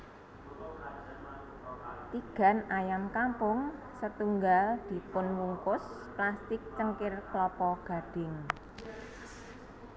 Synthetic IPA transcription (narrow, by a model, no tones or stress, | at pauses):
t̪iɡ̥a̤najamkampʊŋ | sət̪uŋɡald̪̥i̤pʊnwuŋkʊsklast̪ɪk̚t͡ʃəŋkɪrklɔpɔɡ̥ä̤ɖ̥ɪ̤ŋ